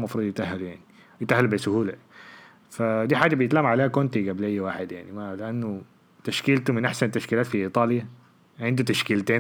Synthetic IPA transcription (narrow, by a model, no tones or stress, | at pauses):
mafɾˤuːd̪jɪt̪ʔaɦːaljaʕni | jɪt̪ahːalbɪsʊhuːla | fad̪iːħaːd͡ʒabɪjɪt̪lamʕaleːhakʊnt̪iɡablʔejːwaːħɪd̪ja̰ʕnimalɪʔanːʊ | t̪aʃkiːlt̪umɪnʔaħsant̪ːaʃkiːlaːt̪fiʔiːt̪ˤɑːlja | ʕɪnd̪ut̪aʃkiːlt̪eː